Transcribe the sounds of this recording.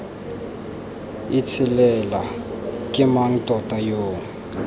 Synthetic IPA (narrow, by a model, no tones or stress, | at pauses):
it͡sʰɪlɛla | kʼɪmaŋ̩tʼɔtʼajoːŋ̩